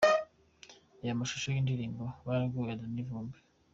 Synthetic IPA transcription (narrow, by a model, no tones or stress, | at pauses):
ajamaʃu̥ʃojindiɾiːmboβaɡuadanivuːmbi̥